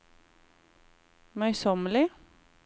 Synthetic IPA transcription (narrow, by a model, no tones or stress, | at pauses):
mœʏsɔmlɪ